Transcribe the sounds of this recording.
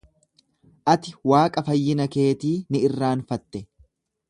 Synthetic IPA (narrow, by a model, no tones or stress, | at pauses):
ʔɐt̪ɪwaːkʼɐfɐjːɪnɐke̞ːt̪iːnɪɪrːaːnfɐt̪ːɛ